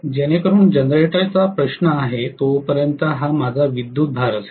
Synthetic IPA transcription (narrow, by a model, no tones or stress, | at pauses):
d͡ʑeñekəɾuːnd͡ʑənd̪ɾeʈat͡sapɾəɕnəaɦet̪opəɾjənt̪əɦamad͡zʱaʋid̪juːt̪̚bʱaɾət̪